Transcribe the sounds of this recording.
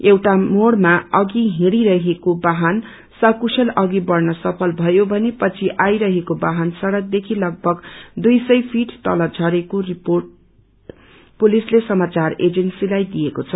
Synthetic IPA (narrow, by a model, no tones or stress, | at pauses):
ewʈamoɽmaʌɡiɦĩɽiɾʌɦekobaɦʌn | sʌkusʰʌlʌɡibʌrnʌsʌpʰʌlbʱʌjobʱʌnepʌt͡sʰiʔajɾʌɦekobaɦʌnsʌɽʌk̚d̪ekʰilʌɡ̚bʱʌɡd̪ujsʌjpʰiʈt̪ʌlʌd͡zʱʌɾekoriporʈ | pulislesʌmat͡sared͡zensilajd̪ijekot͡sʰʌ